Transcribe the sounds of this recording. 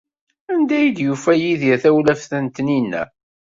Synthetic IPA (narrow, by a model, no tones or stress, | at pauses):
ænd̪æjəd̪jufæjiðjæθæwlæfθənt̪ninːæ̰